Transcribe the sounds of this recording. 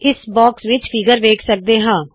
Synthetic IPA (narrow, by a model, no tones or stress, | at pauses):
ɪsbɔːksʋɪt͡ʃpʰɪɡəɾʋeːkʰsək̚d̪eːɦãː